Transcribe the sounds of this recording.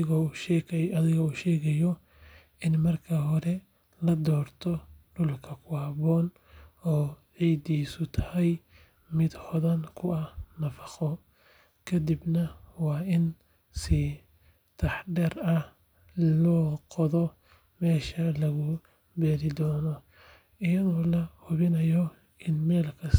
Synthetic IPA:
ɣ | ɐðɪɣɔuːʃɛːɣɛjɔ | ɪnmɐrkʰɐɦɔɾɛ | lɐd̪ɔːrt̪ʰɔɖʊlkʰɐkʰʊɐβɔːn | ɔːʕiːd̪iːsʊt̪ʰɐ̥hɛj | mɪd̪hɔðɐnkʰʊɐhnɐfɑ̥χɔ | kʰɐd̪ibnɐwɑːɪn | sɪ | t̪ʰɑħɖɛrɐh | lɔːqɔðɔ | mɛːʃɐlɐɣʊ | bɛːɾɪd̪ɔːnɔ | ɪjɐðɔːlɐhʊβɪnɐjɔ | ɪnmɛːlkʰɐ

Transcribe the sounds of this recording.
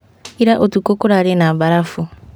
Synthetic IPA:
iɾaʔotukokoɾaɾenabaɾafu

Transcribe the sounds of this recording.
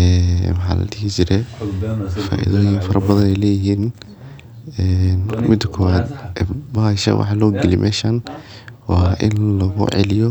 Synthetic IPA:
ɛːwɑħɑ̰ːlɐ̰d̪ɪɦt͡ʃɪɾɛ | fa̰ːʔḭðɔːjɪŋfɐɾɐbɐðɐnɛjlɛːjɪɦiːn | ɛːnmɪd̪kʰɔːwaːd̪ɛbaːʃɐ̰wʔɑ̰ħlɔːɡɪlimʔɛːʃan | wɑːʔɪ̰nlɐɣʊ̰ʕɛ̰lɪjɔ

